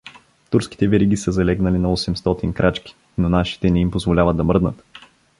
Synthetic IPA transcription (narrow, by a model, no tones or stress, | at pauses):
t̪uɾski̥t̪ɛvɛɾiɡisəzɐlɛɡnɐlinɐɔsɛmst̪ɔt̪inkɾʔat͡ʃki̥ | nonaʃi̥t̪ɛnɛimpozvolʲavəd̪d̪ɐmɤɾd̪nə̰t̪